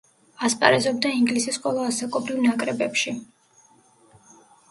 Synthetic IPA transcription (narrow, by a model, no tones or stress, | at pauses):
aspʼa̰ɾɛzɔbd̪aiŋɡlisisqʼwɛlˠɔasakʼɔbɾivnakʼɾɛbɛpʃi